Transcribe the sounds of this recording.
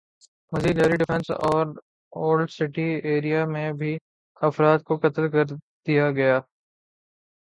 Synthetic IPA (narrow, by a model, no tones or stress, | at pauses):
mɐziːd̪aːɾiɖɪfɛ̃nsɔːɾ | oːlɖsɪʈieːɾijamẽbʱi | ɐfɾaːt̪̚kokɐt̪əlkɐɾ | d̪̥ijaɡɐjaː